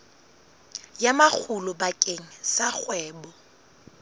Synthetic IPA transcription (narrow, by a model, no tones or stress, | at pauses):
jamak͡xʰulʊbakʼeŋ̩sak͡xwɛːbɔ